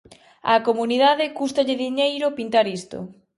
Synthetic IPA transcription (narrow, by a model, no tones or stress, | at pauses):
ɐ̰komuniðaðɪkust̪aʎɪðiɲejɾʊpint̪aɾist̪o̰